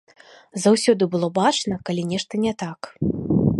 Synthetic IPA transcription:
zawsʲɔd̪ɨbɨlˠɔbat͡ʂnɐkalʲinʲɛʂt̪ɐnʲɛt̪ak

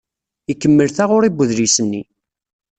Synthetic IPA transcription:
ikːəmːəlθaʁʊɾibːəðlisənːi

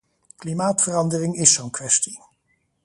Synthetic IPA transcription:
klimaːtfərɑndərɪŋɪsownkʋɛsti

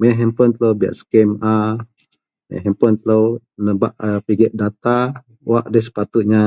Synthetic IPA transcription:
məʔɦɛmpɔnt̪lowbia̰ʔsə̥kɛma | m̰ɦɛmpɔnt̪lownəba̰ʔəpiɡɛʔ̪̚dat̪a | waʔdəsə̥pat̪ut̪̚ɲa

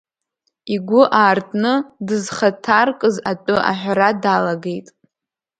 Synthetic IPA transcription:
iɡʷʊʔaːrtʰʼnɨdɨzχatʰarkʼɨzatʼʊʔa̰ħʷᶣɾadalaɡejtʼ

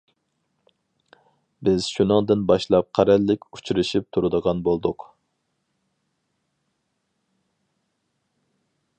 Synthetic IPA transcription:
bɪz̥ʃunɨŋd̪ɨnbɑʃlˠɑp̚qʰæɾælːɪkʲu̥t͡ʃʰuɾɨʃip̚t̪ʰuɾɨd̪əʁɑnbolˠd̪ʊq

